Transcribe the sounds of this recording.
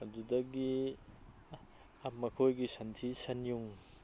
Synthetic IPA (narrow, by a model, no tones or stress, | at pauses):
ɐdudɐɡi | amɐkʰojɡisɐntʰisɐnjuŋ